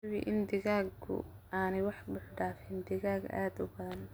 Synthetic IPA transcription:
wḭʔɪnd̪ɪɣaːɡkʰʊ̰ʔaːnɛjwɑħbʊħɖaːfɪnd̪ɪɣaːɡa̰ːd̪ʊbɐðɐn

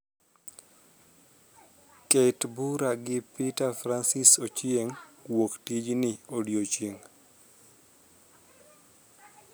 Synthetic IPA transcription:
ketbuɾaɡɪpitafɾansisot͡ʃjeŋwoktid͡ʒnɪodjot͡ʃeŋ

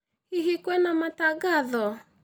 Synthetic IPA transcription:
hiɦikwɛnamataɣaðɔ

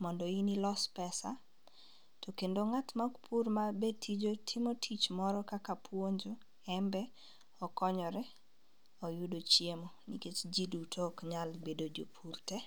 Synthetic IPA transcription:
mɔndɔinilɔspɛsa | tɔkendoŋatmakpʰurmabetʰid͡ʒotʰɪmotʰit͡ʃmɔɾɔkakapʰwoɲd͡ʒo | ɛmbɛ | ɔkɔɲɔɾɛ | ɔjudot͡ʃjemonḭket͡ʃd͡ʒidutʰokɲalbedod͡ʒo̰pʰurtɛ

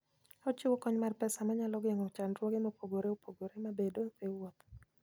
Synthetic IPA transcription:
ɔt͡ʃɪwokɔɲmarpɛsamaɲalɔɡeŋot͡ʃanɾwɔɡɪmopoɡoɾeopoɡoɾemabedotewɔt̪

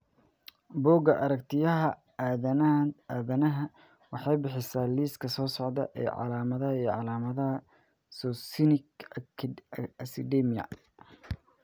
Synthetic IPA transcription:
bɔːɡɐʔɐɾɐkt̪ʰɪjɐɦɐ | aːðɐnaaːðɐnɐɦɐ | wɑħɑjbɪħɪsaːliːskʰɐsɔːsɔʕd̪ɐ̰ʔɛ̰ːʕɑ̰laːmɐðɐɦɐiːjʕɑlaːmɐðɐɦɐ | sɔsɪnɪk | ɐsɪd̪ɛmijɐ̰

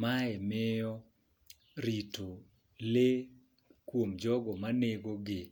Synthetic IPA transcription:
maɛmɪjɔ | ɾito | le | kwomd͡ʒɔɡɔmaneɡoɡɪ

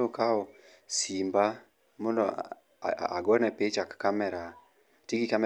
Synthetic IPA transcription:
okaɔ | simba | mɔndɔ | aɡɔnɛpet͡ʃakːamɛɾa | tiɡikamɛ

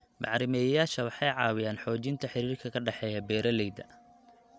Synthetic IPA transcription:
mɑʕɾɪmɛːjɐjaːʃɐwɑħɑjʕɑːwɪjaːnħɔːt͡ʃɪnt̪ʰɐħɪɾiːrkʰɐkʰɐɖɛħɛːjɐbɛːɾɐlɛjd̪ɐ̰

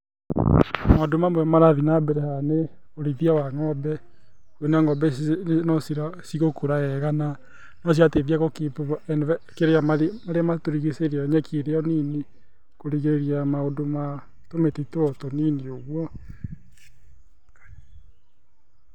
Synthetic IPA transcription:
madomamwɛmaɾaðinabɛɾɛhane | oɾiðiawaŋɔbɛ | kwɔneaŋɔbɛnɔsiasiɣokoɾaɛɣana | nɔs̬iateðiaɣɔkepnkeɾeamamaɾeamatoɾiɣeseɾaɲɛkʰeɾeɔnine | koɾiɣeɾeɾiamaodoma | tometetoɔtoninioɣwɔ

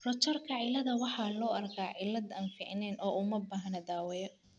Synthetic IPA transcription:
rɔt͡ʃɐrkʰɐʕɪlɐðɐwɑħɑːlɔːɐrkʰaːʕɪlːɐd̪ɐːnfiʕɪnɛːnʔɔːumɐbaːɦɐnɐd̪aːwɛjɔ

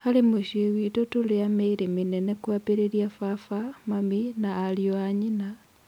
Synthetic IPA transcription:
xalimuʃiwitotuliameiɾiminenekwapeɾeljafafamaminaːlioaɲina

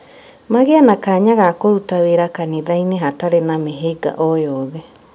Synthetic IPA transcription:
maɣeanakaɲaɣakoɾutaweɾakaneðaineɦataɾenameɦeɡa̰ʔɔjɔðɛ

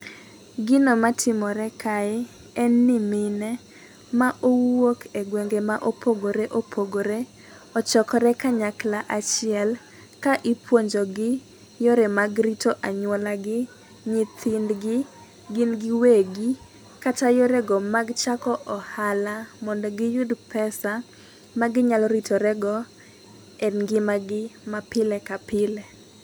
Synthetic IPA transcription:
ɡɪnɔmatʰɪmɔɾɛkae | ɛnːɪmɪnɛ | maʔowokʰeɡweŋɡemaʔopʰoɡoɾeʔopʰoɡoɾe | ɔt͡ʃɔkɔɾɛkaɲaklaʔat͡ʃɪɛl | kaʔipwoɲd͡ʒoɡɪ | joɾemaɡɾitoʔaɲwɔlaɡɪ | ɲɪt̪ʰɪndɡɪ | ɡɪnɡɪweɡi | katajoɾɛɡɔmaɡt͡ʃakɔʔɔhalamɔndɔɡɪjudpɛsa | maɡɪɲalɔɾitʰoɾɛɡɔ | ɛnɡɪmaɡɪmapɪlɛkapɪlɛ

